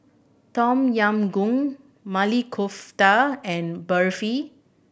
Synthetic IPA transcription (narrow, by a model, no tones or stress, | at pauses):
tɔ̃mjãmɡũŋ | malikʰoftaɛ̃nbəɹfi